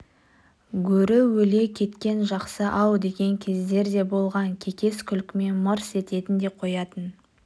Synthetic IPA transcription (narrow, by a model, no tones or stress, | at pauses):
ɡʲɵɾɪwɵle̞kʲʰe̞t̪kʲe̞nʒɑqsəʔɑwd̪e̞ɡʲe̞ŋkʲʰezd̪e̞ɾd̪e̞bo̞lˠʁɑŋkʲʰe̞kʲe̞skʲʰʏlkʲɪme̞nməɾse̞t̪e̞t̪ɪnd̪e̞qʰo̞jɑt̪ən